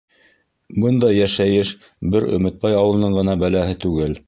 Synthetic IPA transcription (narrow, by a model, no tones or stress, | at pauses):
bɤnd̪ɑjæʃæjɘʃ | bɘɾɵ̰̆mɘ̆t̪̚pɑjɑwɤ̆lˠnɤɴɢɤ̆nɑbælæɦɘt̪ʉɡɘl